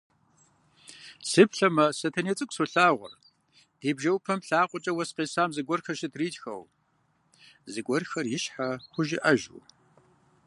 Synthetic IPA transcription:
sɨpɬɐmɐsɐtʰɐneːt͡sʼɨkʷʼsoɬaːʁʷɔ̰r | d̥eːbʒɐwpʰɐmɬaːqʷʼɔt͡ʃʼɐwɐsqeːsaːmzɨɡʷɔrxɐʃɪtʰriːtʼxɐ̰w | zɨɡʷʼɔrxɐrjɪʃħaxʷʊʒɪʔɐʒṵː

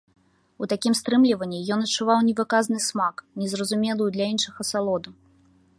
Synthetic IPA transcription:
ut̪akʲimst̪ɾɨmlʲivɐnʲːijɔnɐtt͡ʂːuvawnʲɛvɨkaznɨsmaknʲɛzrɐzumʲɛlˠɨjud̪lʲainʂɨɣɐsalˠɔd̪u

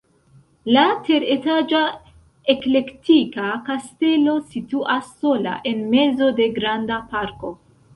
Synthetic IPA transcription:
late̞ɾetad͡ʒa | e̞kle̞ktikakaste̞lo̞situʔasːo̞la̰ʔe̞nme̞zo̞de̞ɡɾandapaɾko̞

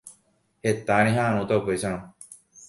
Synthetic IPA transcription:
het̪añĩɦãːɽ̃ũt̪aupesañõ

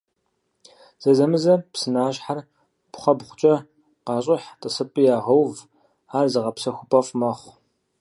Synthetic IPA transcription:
z̥ɐzɐmɨzɐpsɨnaːɕħar | pχʷɐbχʷʊt͡ʃʼɐ | qɑːɕʼɪħtʼɨsɨpʼijaːʁɐwv | aːrzɐʁɐpsɐxʷʊpʼɐfmɐχʷ

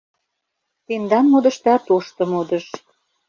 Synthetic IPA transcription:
t̪end̪ɑnmod̪ə̆ʃt̪ɑt̪oʃt̪ɤ̆mod̪ə̆ʃ

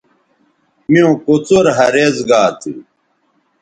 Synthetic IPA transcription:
miõːkot͡soɾɦɐɾeːzɡaːt̪ʰḭ

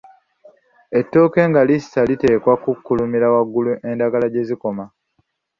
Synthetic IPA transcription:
e̞tːo̞ːke̞ːŋɡalisalite̞ːkwakukːulumiɾawaɡːuluʔe̞ndaɡalaɟe̞ziko̞ma

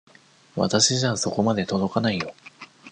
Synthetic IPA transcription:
βa̰t̪aɕiʑaso̞ko̞mad̪e̞t̪o̞d̪o̞kanaijo̞

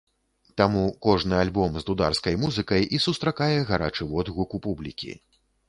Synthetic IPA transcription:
t̪amukɔʐnɨalʲbɔmzd̪ud̪arskɐjmuzɨkɐjisust̪ɾakajɛɣaɾa̰t͡ʂɨvɔd̪ɣukupublʲikʲḭ

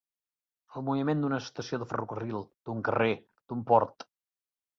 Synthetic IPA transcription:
əlˠmuβimend̪unəst̪əsioðəfə̰rukərilˠd̪̥uŋkəre | d̪̥umpɔɾt̪

